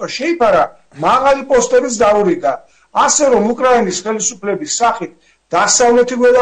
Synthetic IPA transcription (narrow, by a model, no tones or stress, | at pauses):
ʃɛipʰaɾa | maʁalipʼɔst̪ʼɛbit̪s̬d̪auɾiɡaː | sɛɾɔmukʼɾainisχɛlisupʰlɛbisːaχit̪̚ʰ | d̪̥asavlɛt̪ʰiɡɛla